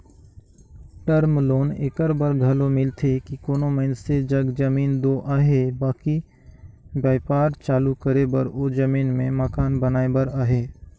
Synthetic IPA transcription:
ʈəɾmloːneːkəɾbəɾɡʱɐlomɪlt̪ʰekikoːnomensed͡ʒɐɡd͡ʒɐmiːnd̪oːʔaːɦeːbaːki | bjaːɪpaːɾt͡ʃaːlukəɾebəɾoːd͡ʒəmiːnmẽməkaːnbənaːebəɾaːɦeː

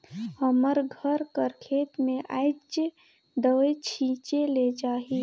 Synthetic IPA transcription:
həməɾɡʱəɾkəɾkʰeːt̪mẽʔaːɪd͡ʒ | d̪əʋet͡ʃʰĩːt͡ʃeled͡ʒaːɦi

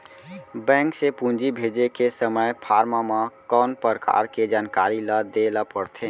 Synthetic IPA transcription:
bɛ̃ːŋksepũːnd͡ʒibʱeːd͡ʒekesəməjpʰaːɾmamãkɔːnpəɾəka̰ːɾked͡ʒaːnkaːɾilad̪eːlapəɽt̪ʰe

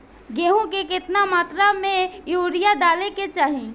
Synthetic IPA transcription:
ɡeːɦõkekɪt̪namaːt̪ɾamẽjuːɾijad̪aːleket͡ʃaːɦĩ

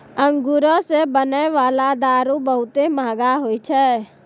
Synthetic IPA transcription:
ə̃ŋɡuɾəsebənəʋaːlad̪aːɾũbəɦʊt̪emaːɡaɦoːit͡ʃʰɛ

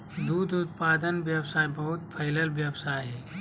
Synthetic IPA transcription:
d̪uːd̪ʊt̪̚paːd̪ənʋjəsaːjbɐɦʊt̪̚pʰɐɪləlʋjəbsaːjɦɛː

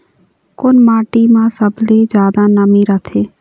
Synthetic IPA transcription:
kʊnmaːʈimãsəbled͡ʒjaːd̪anəmiɾət̪ʰeː

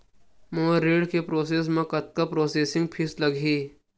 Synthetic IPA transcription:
mõːɾeːɖkepɾoːs̬eːs̬mẽkɐt̪̚kapɾoːseːsɪ̃ŋɡpʰɪslɐɡʱiː

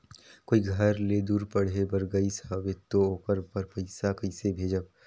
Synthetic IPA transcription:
koːiɡʱəɾled̪uːɾpəɽ̤ebəɾɡəisawet̪ooːkəɾpəɾpɐɪsakɐɪsebʱeːd͡ʒəb

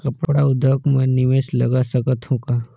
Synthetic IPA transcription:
kɐpɽaʊd̪ʱəkmẽnɪʋeːʃlɐɡasəkət̪ɦũka

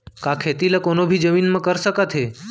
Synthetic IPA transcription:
kakʰet̪iləkonobʱid͡ʒəminmãkəɾʃəkat̪ʰe

